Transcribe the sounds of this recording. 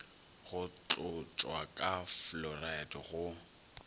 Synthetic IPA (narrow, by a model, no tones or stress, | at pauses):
ɣʊt͡ɬʼʊt͡ʃʼwakʼaflɔradɣʊ